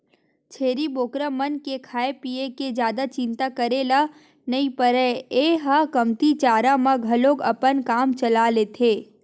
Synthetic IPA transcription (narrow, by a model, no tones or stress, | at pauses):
t͡ʃʰeːɾiboːkɾəmənkekʰaːepieked͡ʒjaːd̪at͡ʃɪ̃nt̪akəɾela | nɐĩpəɾɛeːɦakəmt̪it͡ʃaːɾãmãɡʱɐloɡɐpənkaːmt͡ʃɐlaleːt̪ʰeː